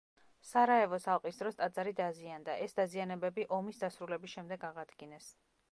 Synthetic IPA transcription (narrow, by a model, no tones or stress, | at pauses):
saɾaɛvɔsalˠqʼisd̪ɾɔst̪ʼad̪zaɾid̪aziand̪aʔɛsd̪azianɛbɛbiʔɔmisd̪asɾulɛbisʃɛmd̪ɛɡaʁad̪ɡinɛs